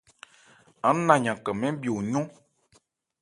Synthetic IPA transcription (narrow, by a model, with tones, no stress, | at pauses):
a˦nã˨ɲã˨kə˨mɛ̃˦bi˨o˨ɲɔ̃˦